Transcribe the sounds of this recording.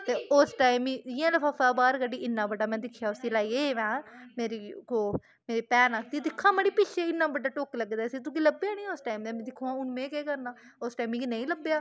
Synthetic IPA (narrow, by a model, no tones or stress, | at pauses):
t̪eːosʈaːimiːɪːãːləpʰaːpaːbaːɾkəɖiːɪnːãːbəɖaːmɛ̃ːd̪ɪkʰːjaːʊsiːlaːiːeːʋãːmeːɾiːkoː | meːɾiːpɛːnaːkʰd̪iːd̪ɪkʰːãːməɽiːpɪʃeɪnːaːbəɖaːʈoːkləɡd̪aːəsiːt̪̬ũːkiːləbejaːnĩːʊsʈaːimd̪eːmɛ̃ːd̪ɪkʰːõːãːʊnmẽːkeːkəɾnãː | osʈaːmikinə̃ĩːləbːjaː